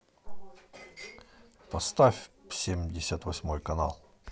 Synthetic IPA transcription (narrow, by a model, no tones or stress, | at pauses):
pɐst̪afʲfsʲemʲdʲɪsʲət̪vɐsʲmojkɐna̰lˠ